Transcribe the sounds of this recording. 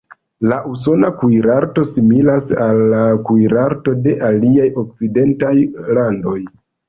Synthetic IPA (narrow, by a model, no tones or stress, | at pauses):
laʔus̬o̞nakujɾaɾto̞similasalːakujɾaɾto̞de̞ʔaliajo̞k̚t͡side̞ntajlando̞j